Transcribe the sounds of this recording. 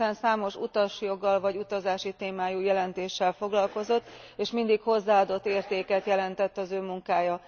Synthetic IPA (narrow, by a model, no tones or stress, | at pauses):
ɛnsaːmo̞ʃṵt̪ɒʃjo̞ɡːɒlvɒɟut̪ɒzaːʃit̪eːmaːjujɛlɛnt̪eːʃːɛlfo̞ɡlɒlko̞zo̞t̪ːeːʃmind̪ikho̞zːaːɒd̪o̞t̪ːeːrt̪eːkɛt̪jɛlɛnt̪ɛt̪ːɒzøːmuŋkaːjɒ